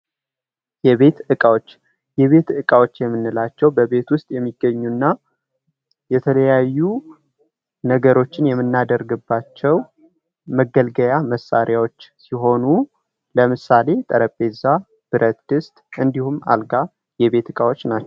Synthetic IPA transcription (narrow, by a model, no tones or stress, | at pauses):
jɛβe̞t̪ɨkʼawot͡ʃː | jɛβe̞t̪ɨkʼawot͡ʃːjɛmːɨnːɨlat͡ʃːɛwbəβe̞t̪wʊst̪ʼjɛmːiɡːəɲːunːa | jɛt̪ʰələjajːu | nəɡəɾo̞t͡ʃːɪnjɛmːɨnːad̪əɾɡɨbːat͡ʃːɛw | məɡəlɡəjaməsa̰ɾjawo̞t͡ʃːsiɦo̞nu | ləmɨsale̞t̪ʼəɾəpːe̞za | b̥ɨɾʔət̪d̪̥ɨst̪ʼʔɨnd̪ihuma̰lɡa | jɛβe̞t̪ɨkʼawot͡ʃːnat͡ʃː